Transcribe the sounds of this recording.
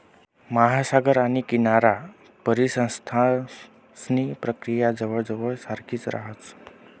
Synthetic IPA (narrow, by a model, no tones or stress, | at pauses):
maɦasaɡəɾañikinaɾa | pəɾisə̃st̪ʰa | snipɾəkɾijad͡zəʋəɭd͡zəʋəɭsaɾkʰit͡sɾa̰ɦət͡s